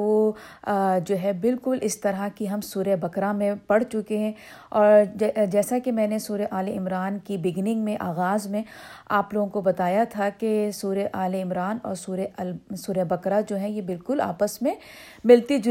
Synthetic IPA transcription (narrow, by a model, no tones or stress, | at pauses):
o | d͡ʒoːɦɛbɪlkʊlʔɪst̪ɐɾakiɦɐmsuːɾebɐkɾamẽpɐɽt͡ʃʊkeɦɛ̃ | ɔːɾd͡ʒɛːsakemɛ̃ːnesuːɾeʔaːleɪmɾaːnkibɪɡnɪ̃ŋɡmẽʔaːɣaːzmẽaːploːɡõkobɐt̪aːjat̪ʰakesuːɾeʔaːleɪmɾaːnɔ̰ːɾsuːɾesuːɾebɐkɾad͡ʒoːɦɛ̃jebɪlkʊla̰ːpəsmẽ | mɪlt̪id͡ʒ